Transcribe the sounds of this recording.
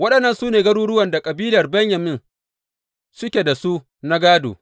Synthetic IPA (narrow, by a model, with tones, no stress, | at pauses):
wɐ˦ɗɐ˨nːɐ˨nsuː˦neː˨ɡɐ˦ɽuː˦ɽʊ˦wɐ˨nda˨kʼɐ˨biː˦lɐ˨rbɐ˦ɲjɐ˨mɪ˦n | sʊ˦kʲeː˨da˨su˦ | na˦ɡaː˦do̰ː˨